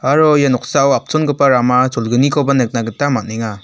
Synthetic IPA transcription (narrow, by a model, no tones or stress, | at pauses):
aɾɔjanɔk̚sawap̚t͡ʃɔnɡɯpaɾamasɔlɡɯnikʰɔbanɯk̚naɡɯtamat̚neŋa